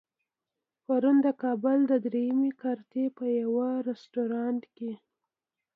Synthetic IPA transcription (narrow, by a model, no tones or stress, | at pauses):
paɾund̪əkɑbʊld̪əd̪ɾejamikaɾt̪epəjawaɾɪsʈoɾɑnt̪ke